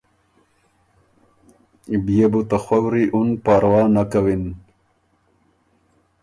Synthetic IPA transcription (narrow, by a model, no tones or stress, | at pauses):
bijebut̪axwawɾiʔunpaːɾwaːnakawin